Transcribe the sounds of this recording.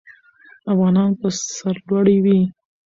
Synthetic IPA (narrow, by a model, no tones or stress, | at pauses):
afɣɑnɑnpəsaɾlwaɽiwi